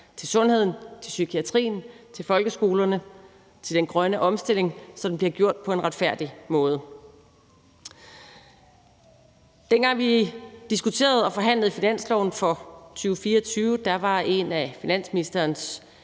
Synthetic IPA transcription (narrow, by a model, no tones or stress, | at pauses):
t͡sʰe̝lsɔ̽nɦhe̝ð̞̰ˠn̩t͡sʰe̝lsykʰiæt͡sʰʁḭːn̩t͡sʰe̝lfɒ̽lɡ̥əsɡ̥o̝ːlɐnə | t͡sʰe̝ld̥enɡ̥ʁɶnəʔɒ̽msd̥e̝le̝ŋsɒ̽dem̩bliɐɡ̥jo̝ɐ̰d̥̚pʰɒ̽e̝nʁɑ̈d̥fæɐ̰d̥imɔ̽ːð̞̩ˠ | d̥enɡ̥ɑ̈ŋ̰ʋid̥isɡ̥ut͡sʰe̝̰ːɐð̞̩ˠɒ̽fɒ̽ɦæn̰lð̩ˠfinæn̰slɒʊn̩fɒ̽t͡sʰyːʊəfiːɐɒt͡sʰyːʊəd̥ɑ̈ʋɑ̈e̝næfinæn̰sminisd̥ɐːns